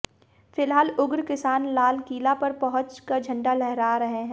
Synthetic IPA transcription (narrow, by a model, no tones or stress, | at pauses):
fɪlɦaːlʊɡɾkɪsaːnlaːlkiːlapɐɾpɐɦʊ̃t͡ʃkad͡ʒʱɐ̃ɳɖalɛɦɾaːɾɐɦeɦɛ̃ː